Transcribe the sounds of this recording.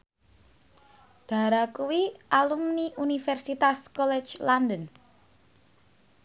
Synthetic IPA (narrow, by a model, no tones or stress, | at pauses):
d̪̥a̤ɾakuwiʔalumniʔunifɛrsit̪askɔlɛ̥d͡ʒlandən